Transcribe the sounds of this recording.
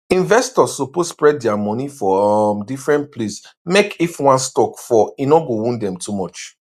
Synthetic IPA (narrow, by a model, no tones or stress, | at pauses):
ĩnvɛstɔsoposspɹɛd̚dɛamɔ̃nifɔmdifɹɛ̃nt̚plismekʰifwãnstɔkfɔinɔɡõwũndɛ̃mtumɔt͡ʃ